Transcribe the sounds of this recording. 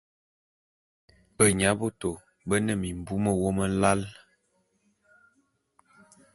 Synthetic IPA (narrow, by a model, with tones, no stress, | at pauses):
bə˨ɲa˨˦bo˦to˨ | bə˦nə˦˨mi˨m˨bu˦mə˦˨wo˦mə˦la˦l